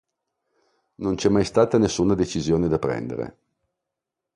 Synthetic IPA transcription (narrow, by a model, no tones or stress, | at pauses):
nont͡ʃɛmːajst̪aːt̪anesːuːnad̪et͡ʃizjoːned̪apɾɛ̰nd̪ḛɾḛ